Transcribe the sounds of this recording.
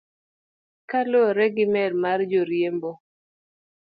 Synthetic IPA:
kalɔɾɛɡimɛɾmard͡ʒoɾjembo

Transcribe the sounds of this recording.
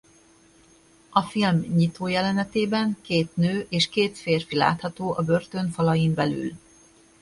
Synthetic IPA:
ɒfilmɲit̪oːjɛlɛnɛt̪eːbɛŋkeːt̪nøːʔeːʃkeːt̪feːrfila̰ːt̪hɒt̪oːʔɒbørt̪ø̞nfɒlɒjimbɛly̰l

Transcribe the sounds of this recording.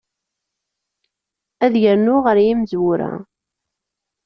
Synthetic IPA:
æðʝəɾnʊʁəɾjimzwuɾæ̰

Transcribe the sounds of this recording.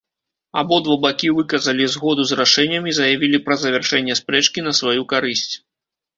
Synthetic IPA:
abɔd̪vɔbakʲivɨkɐzɐlʲizɣɔd̪uzraʂɛnʲːɐmʲizɐjavʲilʲipɾɐzɐvʲɛrʂɛnʲːɛspɾɛt͡ʂkʲinɐsvajukaɾɨsʲt͡sʲ

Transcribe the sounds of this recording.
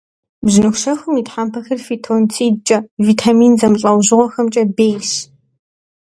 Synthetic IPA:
bznɨxʷʃɐxʷʊmiːtħaːmpʰɐxɐrfiːtʰontʰiːdt͡ʃʼɐviːtʰamiːnzɐmɨɬʼɐwʑɨʁʷɔxɐmt͡ʃʼɐbeːjs

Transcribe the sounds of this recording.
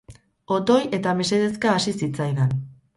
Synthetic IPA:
o̞t̪o̞je̞t̪ame̞se̞ðeskaːsisit͡sajðan

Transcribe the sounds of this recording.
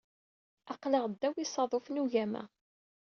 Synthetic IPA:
ɑqləʁd̪ːæwisˤɑðˤofnuʝæmæ̰

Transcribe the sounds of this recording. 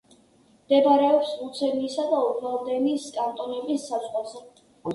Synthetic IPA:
md̪ɛbaɾɛɔpsut̪sʰɛniːsad̪auɡvad̪ɛniskʼant̪ʼɔnɛbisːazsʁwazɛ

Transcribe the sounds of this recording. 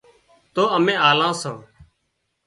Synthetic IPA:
t̪oːəmẽːaːlãːsõː

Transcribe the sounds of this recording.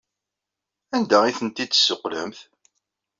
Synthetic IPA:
ænd̪æiθənt̪id̪ə̥sːoqːlə̰mθ

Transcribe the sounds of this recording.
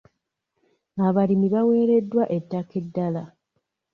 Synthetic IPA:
aβalimiβawe̞ːɾe̞dːwaʔe̞tːake̞dːala

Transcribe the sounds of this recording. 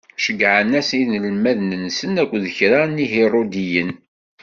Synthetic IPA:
ʃəɡʕənæsninəlmæðnənsənækʷːðəçɾaniɦirod̪ijən

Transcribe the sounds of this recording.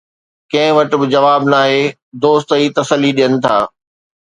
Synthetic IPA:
kɐ̃ɦɪ̃ʋɐʈɪ̆bɪd͡ʑɐʋaːbnaːɦe | d̪oːst̪iːt̪ɐsəlːiɗijənɪ̆t̪ʰaː

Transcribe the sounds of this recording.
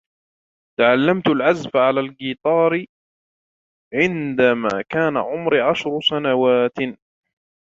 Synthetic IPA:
t̪aʕalːamt̪alʕazfaʕalaːlɡiːt̪ˤɑːɾ | ʕɪnd̪ama̰ːkaːna̰ʕʊmɾɪʕaʃɾʊsanawaːt̪

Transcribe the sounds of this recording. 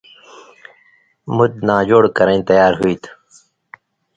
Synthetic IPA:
mud̪̚naːd͡ʑoːɽkɐɾə̃ĩt̪ɐjaːɾɦuit̪ʰ

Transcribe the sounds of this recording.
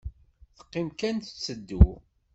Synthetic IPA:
θə̥qːɪmkænθət͡sːəd̪ːṵ

